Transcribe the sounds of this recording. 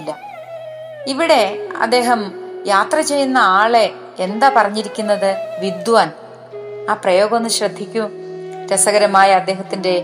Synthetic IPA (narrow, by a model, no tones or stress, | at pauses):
lːɐ | iʋiɽe̞ɐ̰d̪ːe̞ːɦɐmjaːt̪rɐt͡ɕe̞jːunːɐaːɭe̞ | end̪aːpɐrɐɲːiɾikʲːunːɐðɨʋid̪ʋaːn | aːprɐjo̞ːɡɐnːɨɕrɐd̪ʱːikʲːu | ɾɐsɐɣɐɾɐmaːjɐɐd̪ːe̞ːɦɐt̪ːinde̞